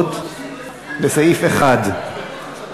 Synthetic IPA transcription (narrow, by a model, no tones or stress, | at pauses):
t̪ | lesajifeχad̪